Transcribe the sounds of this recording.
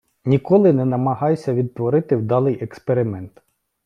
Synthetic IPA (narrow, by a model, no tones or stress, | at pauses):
nʲikɔlˠɪnɛnɐmɐɦɑjsʲɐʋʲid̪̚t̪ʋɔɾɪt̪ɪwd̪ɑlˠɪjʔɛkspeɾɪmɛnt̪